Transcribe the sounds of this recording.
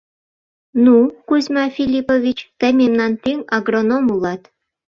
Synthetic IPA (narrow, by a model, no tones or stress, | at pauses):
nukuzʲmɑfʲilʲipovʲit͡ɕt̪ə̆mʲemnɑnt̪iŋɑɡronomulɑt̪